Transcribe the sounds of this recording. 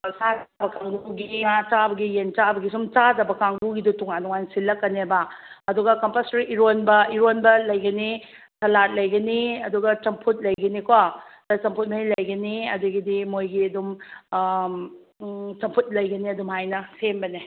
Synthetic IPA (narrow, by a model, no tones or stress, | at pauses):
sad͡ʒbɐkaŋɡuɡiŋat͡ʃaɐbɐɡijent͡ʃaɐbɐɡisumt͡ʃadɐbɐkaŋɡuɡidutuŋantuŋansilːɐkːɐnebaɐduɡɐkɐmpasɾiʔiɾonbɐiɾonbɐlɐjɡɐni | sʰɐlat̚lɐjɡɐniɐduɡɐt͡ʃɐmpʰut̚lɐjɡɐnikwatɐt͡ʃɐmpʰut̚mɐilɐjɡɐniɐduɡidimojɡiɐdum | t͡ʃɐmpʰut̚lɐjɡɐniɐdumhajnɐsembɐni